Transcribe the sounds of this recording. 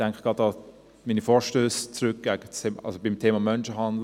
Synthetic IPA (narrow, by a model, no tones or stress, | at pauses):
d̥ɛŋkəɡ̥ʁɑtɑ | minifɔːɹʃtøːst͡sʁøk̚ɡ̥æɡət͡semʔɑ̰sobɪmtʰeːmɑmœnʃəɦɑndl